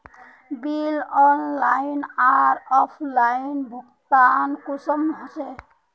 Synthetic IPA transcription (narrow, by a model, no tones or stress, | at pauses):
bilɔnlainaɾɔpʰlainbʱukt̪ankusəmɦɔt͡ʃɛ